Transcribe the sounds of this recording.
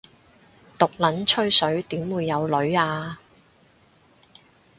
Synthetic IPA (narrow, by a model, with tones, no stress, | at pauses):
t̪ʊ˨k̚lɐ˨˥nt͡ʃʰɵ˥ɥsɵ˨˥ɥt̪iː˨˥mwuː˨˧jːɐ˨˧wlɵ˨˥ɥaː˧